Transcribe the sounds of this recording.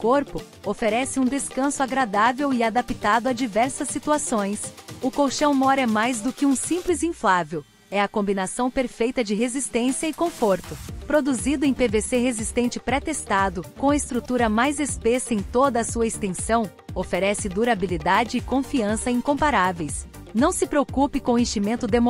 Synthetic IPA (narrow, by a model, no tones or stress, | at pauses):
koɾpʊ | ofeɾɛsɪũd̪eskɐ̃sʊaɡɾad̪avewɪad̪apit̪ad̪ʊad͡ʒivɛɾsɐsːit̪uasõj̃sʊkowʃɐ̃w̃mɔɾɛmajzd̪ʊkɪũsĩplɪzĩflavew | ɛɐkõmbinasɐ̃w̃peɾfejt̪ɐd͡ʒɪɦezist̪ẽsiɐɪkõfoɾt̪ʊpɾod̪uzid̪ʊẽpeveseɦezist̪ẽnt͡ʃɪpɾɛt̪est̪ad̪ʊkõw̃ɐɪst̪ɾut̪uɾɐmajzespesɐẽj̃t̪od̪ɐːsuɐest̪ẽsɐ̃w̃ | ofeɾɛsɪd̪uɾabilid̪ad͡ʒɪɪkõfiɐ̃sɐĩkõmpaɾavejs | nɐ̃w̃sɪpɾeokupɪkõẽʃimẽnt̪ʊd̪emo